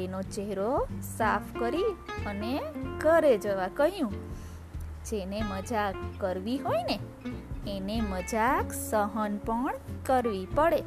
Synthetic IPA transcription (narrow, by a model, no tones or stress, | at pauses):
enot͡ʃeɦɾosapʰkəɾiənekəɾed͡ʒəʋakəɦjũ | d͡ʒeneməd͡ʒakːəɾʋiɦoineː | neməd͡ʒaksəɦənpəɳkəɾʋipəɽe